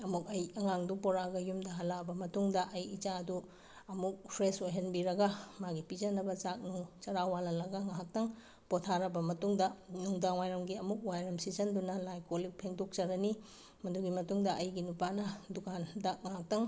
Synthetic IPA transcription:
ɐmuk̚ɐjɐŋaŋdupɔɾaɡɐjumdɐɦɐlabɐmɐtuŋdɐʔɐjit͡ʃaɐdu | ɐmuk̚pʰɾesojɦɐnbiɾɐɡɐmaɡipid͡ʒɐnɐbɐt͡ʃak̚nut͡ʃɐɾawalɐlɐɡɐŋaɦak̚tɐŋ | potʰaɾɐbɐmɐtuŋdɐnuŋdaŋwajɾɐmɡiɐmuk̚wajɾɐmsizɐndunɐlajkolik̚pʰeŋdok̚t͡ʃɐɾɐni | mɐduɡimɐtuŋdɐʔɐjɡinupanɐdukandɐŋaɦak̚tɐŋ

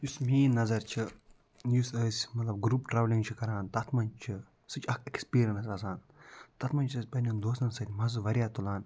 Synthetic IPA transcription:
jusʲmʲiːnɐzɐɾt͡ʃʰi | jusəːsʲmɐt̪lɐb̚ɡɾuːpʈɾaːʋlʲiŋɡt͡ʃʰikɐɾaːnt̪ɐt̪ʰmɐnt͡ʃʰi | sɨt͡ʃʰɐkʰekspiːɾʲɐnsasaːn | t̪ɐt̪ʰmɐnʲt͡ʃʰɨːsʲpɐnʲɐnd̪oːsɐnsɐt̪ʲmɐzɨʋɐɾʲjaːt̪ulaːn

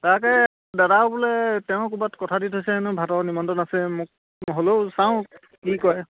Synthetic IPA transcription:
taɹkɛj | dadabulɛtɛʊ̃kubatkɔtʰaditʰɦojsɛnʊbʱatɔɹnimɔntɔnasɛmʊk̚ | ɦolosãʊ̃ | kikɔj

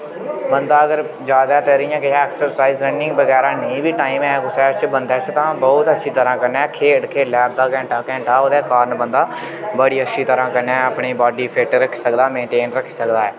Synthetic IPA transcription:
bənd̪aːəɡəɾ | d͡ʒjaːd̪aːt̪eɾijãːkɪɛːksəɾsaːiːzɾɛːnɪ̃ŋɡbəɡɛːɾãːnəĩːbiːʈaːĩːmɛ̃ksɛːt͡ʃbənd̪ɛːst̪ãːbɔːt̪ətːʃʰiːt̪əɾãːkəɾnɛ̃ːkʰeːʈkʰeːlɛːb̚d̪aːkɛ̃ːɳʈaːkɛ̃ːɳʈaːoːd̪ɛːkaːɾnbənd̪aː | bəɽiːətːʃʰiːt̪əɾãːkəɾnɛːəpɳiːbaːɖiːpʰeːʈɾəkʰːiːsəkd̪aːmẽːɳʈeːnɾəkʰi̥ːsəkd̪aːɛː

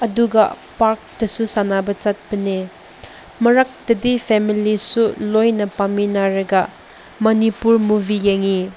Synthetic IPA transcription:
ɐduɡɐ̰ | paɾk̚d̥ɐsusanabɐt͡ʃat̚bɐne | mɐɾak̚d̥ɐdipʰɛmilisulojnɐpaminaɾɐɡɐ | mɐnipuɾmubʱijeŋi

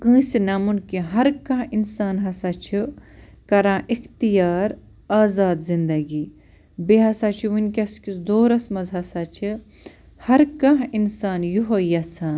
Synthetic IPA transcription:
kɨ̃ːsinɐmunkĩɦɐɾkɐ̃ɦinsaːnɦɐsat͡ʃʰi | kɐɾãːʔixt̪ijaːɾ | aːzaːd̪zind̪ɐɡi | beɦɐsat͡ʃʰiʋunʲkʲɐskisd̪oːɾɐsmɐzɦɐsat͡ʃʰi | hɐɾkɐ̃ɦinsaːnjuɦojɐt͡sʰãː

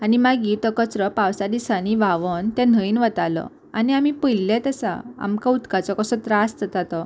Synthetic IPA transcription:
animaɡit̪ɔkət͡sɾəpawsad̪isaniʋaʋənt̪ɛ̃n̤əinʋət̪alɔ̰ | a̰niamipəlɛt̪əsa̰a̰mkaut̪kat͡sɔkəsɔt̪ɾasəd͡zat̪ɔ

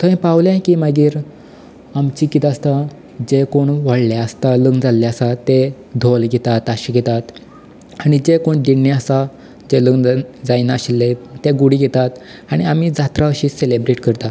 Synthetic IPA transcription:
t̪ʰəĩpawlãkimaɡiːɾ | amt͡ɕikit̪ast̪a | d͡ʑekoɳʋəɽlaəst̪aləɡd͡zalːaəsat̪e | d̪ʱolɡɛt̪at̪aɕiɡʱɛt̪at̪ | aɽ̃id͡ʑekoɳɖiɳːeəsa | d͡ʑeləɡd͡zajnaaɕilːet̪eɡuɽiɡʱɛt̪at̪ | aɽ̃iam̤id͡zat̪ɾaəɕiːselebɾeʈkəɾt̪a

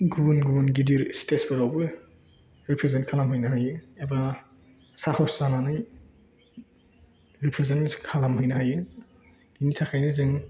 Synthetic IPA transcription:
ɡubnɡuunɡidiɾstesbeɾawbɯ | ɾipʰɾezentkʰalamhɯjnahajɯeba | sahɔszananɯj | ɾipʰɾezenskʰalamhɯjnaɦajɯ | initʰakʰajnɯzɯŋ

